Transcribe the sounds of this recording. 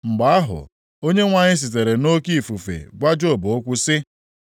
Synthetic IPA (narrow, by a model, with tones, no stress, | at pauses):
ŋ͡m̩˨ɡ͡ba˨a˦ɦʊ̰˨ | o˦ɲe˦ŋʷa˨ɲɪ˦s̬i˨t̬e˨ɾe˨no˦ki˦˨fu˨fḛ˨ɡʷa˦d͡ʒo˦˨bo˨o˦kʷʊ˦sɪ˦